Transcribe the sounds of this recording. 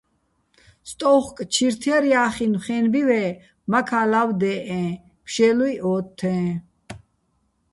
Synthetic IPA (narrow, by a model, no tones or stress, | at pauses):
st̪ʼɔχkʼt͡ʃʰiɾt̪ʰjɛɾjaːχinχɛnbivɛ | makʰalavd̪ɛːʔɛ̃ː | pʰʃɛluiʔɔːt̪ʰːɛ̃ː